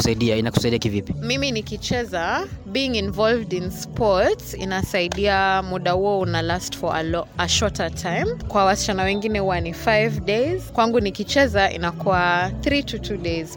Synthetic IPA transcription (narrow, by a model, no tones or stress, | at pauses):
saiɗiainaku̥saiɗiakivipimiminikit͡ʃɛzaɓiːŋĩnvɔlvdinspɔɹtsḭnasaiɗiamuɗahuɔunalastfɔa̰lɔaʃɔtatʰãjmkwawasi̥t͡ʃanawɛŋɡinɛhuwanifajvdez̥kwaŋɡunikit͡ʃɛzaʔḭnakuaθɾitʰutʰuɗez̥